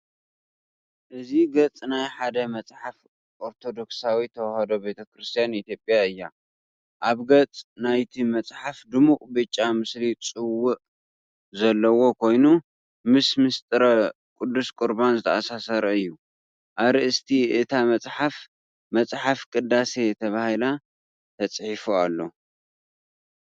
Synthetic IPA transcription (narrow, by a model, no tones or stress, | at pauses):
ʔɨziɡɐt͡sʼnajħad̪ɐmɐt͡sʼħaf | ʔoɾt̪ʰo̞d̪o̞ksawit̪ʰɐwhɐd̪obe̞t̪ʰɐkʰɾɨst̪ʰijanit̪ʰjo̞pʼjaɨjːa | ʔaβɡɐt͡sʼnajt̪ʰimɐt͡sʼħafd̪ɨmuqʼbɨt͡ʃʼːamɨslit͡sʼɨwːʊʔ | zɐlːɐwo̞kʰo̞jnu | mɨsmɨst̪ʼɨɾɐ | kʼud̪ːuskʼɨɾbanzɨt̪ʰɐasasɐɾɐɨjːu | ʔaβɾɨʔɨst̪ʰiɨt̪ʰamɐt͡sʼħaf | mɐt͡sʼħafkʼɨd̪ːase̞t̪ʰɐβahila | t̪ʰɐt͡sʼħifualːo̞